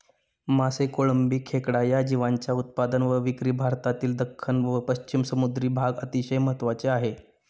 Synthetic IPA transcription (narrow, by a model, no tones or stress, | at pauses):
masekoɭəmbiːkʰekɽajad͡ʑiʋaɲt͡ɕjaut̪̚pad̪ənʋəʋikɾiːbʱaɾt̪at̪iːld̪əkʰːənʋəpəɕt͡ɕimsəmud̪ɾiːbʱaɡət̪iɕəjməɦət̪ʋat͡seaɦe